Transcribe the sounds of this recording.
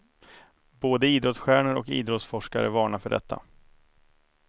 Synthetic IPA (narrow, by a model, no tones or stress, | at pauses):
boːd̪əiːd̪ɾɔt̪sɧæːɳəɾɔkḭːd̪ɾɔt̪sfɔʂka̰ɾə̰vɑːɳafœɖɛ̰t̪ʰːa̰